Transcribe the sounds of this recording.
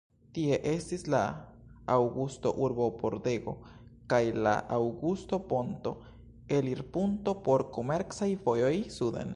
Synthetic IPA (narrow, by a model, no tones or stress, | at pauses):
t̪ieʔest̪islaawɡust̪oʔuɾbopoɾd̪eɡo̞̰kajla̰ʔawɡust̪o̞pont̪o̞ | eliɾpunt̪opoɾkomeɾksajfojojsudḛn